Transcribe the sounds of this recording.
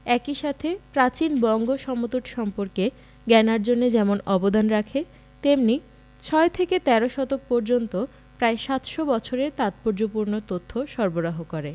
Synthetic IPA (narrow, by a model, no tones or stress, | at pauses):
ɛkiʃat̪ʰepɾat͡ɕinbɔŋɡoʃɔmot̪oʈʃɔmpoɾke | ɡɛnaɾd͡ʑonːed͡ʑɛmonɔbod̪anɾakʰe | t̪emni | t͡ɕʰɔet̪ʰeket̪ɛɾoʃɔt̪ok̚pɔɾd͡ʑont̪o | pɾaeʃat̪ʃobɔt͡ɕʰoɾeɾt̪at̪̚poɾd͡ʑopuɾnot̪ot̪ʰːoʃɔɾboɾaɦokɔɾe